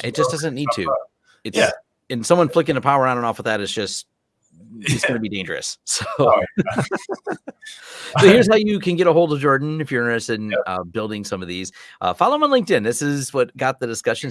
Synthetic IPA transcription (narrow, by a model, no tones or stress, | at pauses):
ʔɨ̰t̚d̥ʒ̥ʌsd̥ʌzɨ̃nːid̚tʰʉ | ɨt | ɨ̃nsʌ̃mwʌ̃nflɪkɪ̃ŋtɨpʰaʊə˞ãʊ̃nə̃nɔfwəðɨɾɨtzd̥ʒ̥ʌst | ɨtsɡ̥ʌnəbidẽɪ̃nd͡ʒə̰˞ɨ̰ssoʊ | soʊhɪɹz̥haʊjɨkʰɨ̃nɡɛɾəɦoʊlˠdʌvd͡ʒɔɹdⁿn̩ɨfjə̃˞nɨsɨ̃nʌ̰bɪlˠdɪ̃ŋsʌ̃mʌvðiz̥ʔʌ̰fɑlˠoʊmãɪlɪ̃ŋk̚tɨ̃nðɪsɪzwʌt̚ɡ̥ɑt̪̚ðɨdɨskʌʃɨ̃n